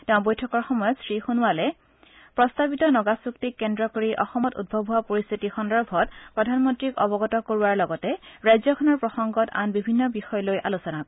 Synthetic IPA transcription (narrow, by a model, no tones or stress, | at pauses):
tɛʊ̃bojtʰɔkɔɹxɔmɔjɔtsɹixunʊwalɛ | pɹɔstabitɔnɔɡasuktikːɛndɹɔkoɹiʔɔxɔmɔtṵd̚bʱɔbʱuapoɹist̪ʰitixɔndɔɹbʱɔt̚pɹɔdʱanmɔntɹikɔbɔɡɔtɔkoɹuwaɹlɔɡɔtɛɹajzɔkʰɔnɔɹpɹɔxɔŋɡɔta̰nbibʱinːɔbixɔjɔlojʔalusɔnak